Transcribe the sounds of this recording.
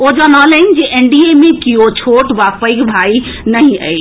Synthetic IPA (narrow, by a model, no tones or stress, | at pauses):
od͡ʒənɔlənd͡ʒeʔeɳɖiemẽkijot͡ʃʰoʈʋapəjkbʱai | nəɦĩə̰j